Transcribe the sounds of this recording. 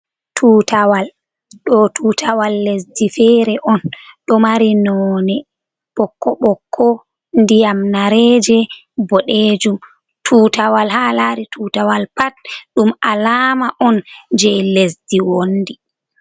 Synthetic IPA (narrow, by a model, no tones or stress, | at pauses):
tʰuːtawal | ɗɔtʰuːtʰawalːes̬difɛɾɛʔɔnɗɔmaɾinɔːnɛ | ɓ̥ɔkːɔɓɔkʰːɔ | ndijamnaɾɛːd͡ʒɛ | bɔɗeːd͡ʒum | tʰuːtawalhalaɾitʰuːtawalpat̚ɗumalaːmaʔɔnd͡ʒɛjlesdiwonːdi